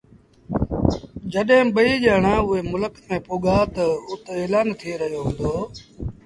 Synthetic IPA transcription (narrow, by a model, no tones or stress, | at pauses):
d͡ʒəɗẽːɓəiːʄaːɳãːʊɦeːmʊləkmẽːpoːɠaːt̪əʊt̪eːlaːnt̪ʰiɾəɦjoːɦũːnd̪oː